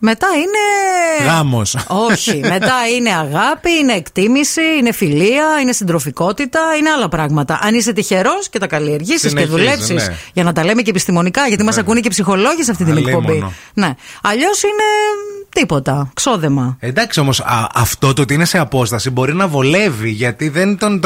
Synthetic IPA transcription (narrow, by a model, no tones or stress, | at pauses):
me̞t̪ɐine̞ɣɐmoso̞çimme̞t̪ɐine̞ɐɣɐpiine̞ːkt̪imisiine̞filiɐine̞sind̪ɾo̞fiko̞t̪it̪ɐineɐlɐpɾɐɣmɐt̪ɐʔɐniset̪içe̞ɾo̞sce̞t̪ɐkɐlie̞ɾʝisiseðule̞psisʝɐnɐt̪ɐle̞mecepist̪imo̞nikɐʝɐt̪imɐs̬ɐkunecepsixo̞lo̞ʝisɐft̪it̪nekpobbi | ne̞ɐʎo̞sine̞t̪ipo̞t̪ɐkso̞ðe̞mɐend̪ɐksio̞mo̞sɐɐft̪o̞t̪ot̪iineseɐpo̞st̪ɐsibo̞ɾinɐvole̞viʝɐt̪iðent̪on